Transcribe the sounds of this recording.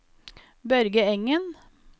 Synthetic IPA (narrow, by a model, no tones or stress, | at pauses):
bœɾɡəɛŋən